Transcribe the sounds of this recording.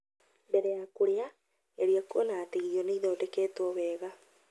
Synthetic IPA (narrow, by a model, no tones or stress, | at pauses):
bɛɾɛjakuɾea | eɾiakuonaːteɣiɔneiðɔodekɛːtwɔβɛːɣa